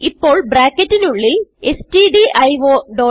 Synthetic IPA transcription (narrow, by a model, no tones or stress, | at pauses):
ipːo̞ːɭbraːkːɐtːinuɭːiestiɖiʔɐjʋoːɖoː